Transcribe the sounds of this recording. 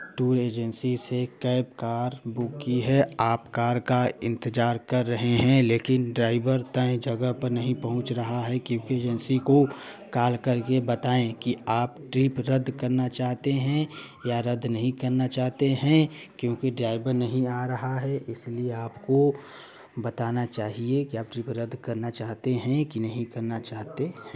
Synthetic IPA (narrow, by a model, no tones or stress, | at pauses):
ʈuːɾeːd͡ʒə̃nsisekəɪbkaːɾbʊkːiɦɛaːpkaːɾkaɪ̰̃nt̪ɪd͡ʒaːɾkɐɾːɐɦeɦɛ̃leːkɪnɖɾaːɪbəɾt̪ə̃ẽd͡ʒɐɡəɦpəɾnɐɦĩpɐɦʊ̃t͡ʃɾɐɦaɦɛkjõːkieːd͡ʒənsikokaːlkɐɾkebɐt̪aːẽkiaːpʈɾiːpɾəd̪ʱkɐɾnat͡ʃaːɦt̪eɦɛ̃ | jaɾəd̪ʱnɐɦĩkɐɾnat͡ʃaːɦt̪eɦɛ̃ | kjõːkiɖɾaːɪbəɾnɐɦĩaːɾɐɦaɦɛʔɪslieaːpko | bɐt̪aːnat͡ʃaːɦiekiaːp̚ʈɾiːpɾəd̪ʱkɐɾnat͡ʃaːɦt̪eɦɛ̃kinɐɦĩkɐɾnat͡ʃaːɦt̪eɦɛ̃ː